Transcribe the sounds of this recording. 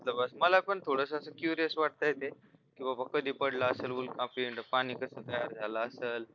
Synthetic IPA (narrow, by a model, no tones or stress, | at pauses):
t̪ləbəsməlapəɳt̪ʰoɽəsəəsəkjuɾijəsʋaʈ̚t̪əjet̪e | kĩʋʱabakəd̪ʱiːpəɽlaəselʋulkãpiɳʈəpañiːkəsət̪əjaɾd͡zʱalaəseːl